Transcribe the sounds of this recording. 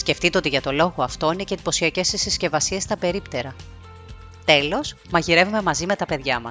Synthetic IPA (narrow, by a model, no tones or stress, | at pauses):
sce̞ft̪it̪e̞o̞t̪iʝɐt̪o̞lo̞ɣo̞ɐft̪o̞ineced̪i̥po̞siɐce̞sesisce̞vɐsie̞st̪ɐpe̞ɾipt̪e̞ɾɐ | t̪e̞lo̞s | mɐʝiɾe̞vume̞mɐzime̞t̪ɐpe̞ðʝɐmɐs